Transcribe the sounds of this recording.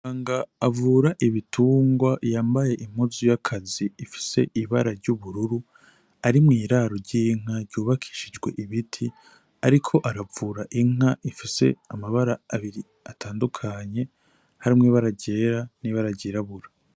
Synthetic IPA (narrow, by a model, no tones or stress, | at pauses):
aːŋɡaːvuːɾaʔiβitʰuːŋɡwajaːmbaje̞ʔim̥huzujakʰaziːfi̥se̞̰ʔiβaɾaɾɟuβuɾuɾu | aɾimŋiːɾaɾoɾɟiŋ̥aɾɟuːβakʰi̥ːʃid͡ʒɡwe̞̰ʔiβitʰi | aɾikʰo̞ʔaɾavuːɾaʔiŋ̥aʔifise̞̰amaβaɾaːβiɾi | atʰaːndukʰaɲe̞ | haɾimŋiβaɾaɟeːɾaniβaɾaɟiɾaβuɾa